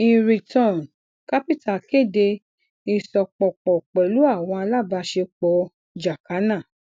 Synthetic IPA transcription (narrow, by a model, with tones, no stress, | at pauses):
ĩ˨˧ɾi˨tɔ̃˦˨n | ka˦pi˦tʰa˦˨ke˦˨de˧ | i˧sɔ˧k͡pɔ˨k͡pɔ˨k͡pɛ˨lu˦a˦˨w̃ɔ̃˧a˧la˦˨ba˧ʃe˧k͡pɔ˧ | d͡ʒa˨ka˨˦nã˦˨